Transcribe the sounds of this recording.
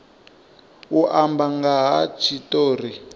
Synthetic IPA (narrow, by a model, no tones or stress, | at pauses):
uʔambaŋɡaɦat͡ʃʰitoːri